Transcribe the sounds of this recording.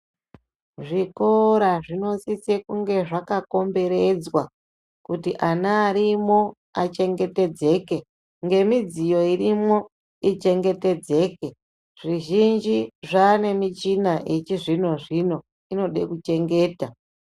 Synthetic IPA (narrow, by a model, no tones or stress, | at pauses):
ʐikoɾaʐino̞sisekuŋɡe̞ʐakako̞mbe̞ɾe̞d͡zwa | kutiʔanaːɾimo̞ | at͡ʃe̞ŋɡe̞te̞d͡ze̞ːke̞ | ŋɡe̞mid͡zijo̞irimo̞ | it͡ʃe̞ŋɡe̞te̞d͡ze̞ːke̞ | ʐ̥iʒind͡ʒiʐane̞mit͡ʃinaʔet͡ʃiʐino̞ʐino̞ | ino̞ɗḛkut͡ʃe̞ŋɡe̞ːta